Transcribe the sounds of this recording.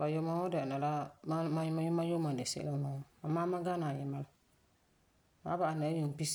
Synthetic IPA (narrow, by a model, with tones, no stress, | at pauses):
ba˨jo˦ma˦ɔ˦da˨na˨la˦ma˦ma˦ma˦jʊ˦ma˦jo˦ma˨nde˨sḛ˦la˦ma˨ɔ˦a˨maː˦ma˦ɡa˦na˨jɪ˨ma˦l | ba̰˨˦ba˦˨a˨na˨˦ju˨n˨pi˦s